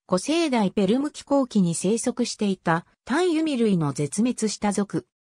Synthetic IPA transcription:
ɡ̥o̞se̞ːd̪aipe̞ɾɯ̟mɯ̟kʲi̥ko̞ːkʲiɲ̟ise̞ːso̞kɯ̟ɕi̥t̪e̞it̪a | t̪ãɰ̃jɯ̟mʲiɾɯ̟ino̞d͡ze̞t͡sɨme̞t͡sɨɕi̥t̪azo̞kɯ̟

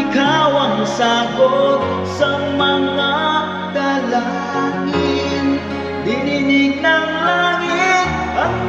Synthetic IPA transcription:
kawaŋsaɡot̪̚ | səŋmaŋa | k̪ala | ŋi | n | d̪ininik̚naŋlaŋit̪̚

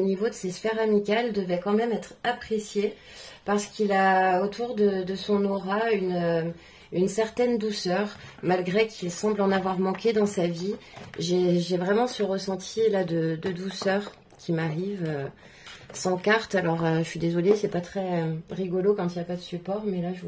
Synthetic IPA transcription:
onivod̪əsesfɛʁamikʲald̪əvɛkɑ̃mɛmɛt̪χapχesje | paʁsə̥kilaot̪ʰuʁd̪əd̪əsɔ̃nɔʁaynø | ynsɛʁt̪ɛnd̪usœʁmalɡʁekʰilsɑ̃blɑ̃navwaʁmɑ̃kʲed̪ɑ̃saviʒeʒevʁɛmɑ̃səʁəsɑ̃t̪ʰilad̪əd̪əd̪usœʁ | kʲʰimaʁivø | sɑ̃kaʁt̪alɔʁøʃəʃɥid̪ezɔlesɛpat̪χɛʁiɡɔlokɑ̃t̪iljapad̪əsypɔʁmɛlaʒə

